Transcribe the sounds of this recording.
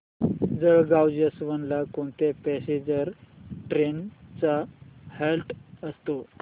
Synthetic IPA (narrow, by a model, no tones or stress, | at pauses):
d͡zəɭɡawd͡ʑəsʋənlakoɳt̪epɛsed͡ʑəɾʈɾent͡sahelʈəst̪o